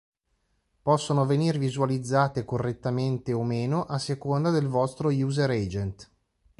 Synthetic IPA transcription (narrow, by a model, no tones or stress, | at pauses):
pɔsːonoveniːrvizualid̪zːaːt̪ekorːet̪ːament̪eomeːnoʔasːekond̪ad̪elvɔst̪ɾojuːzeɾɛd͡ʒent̪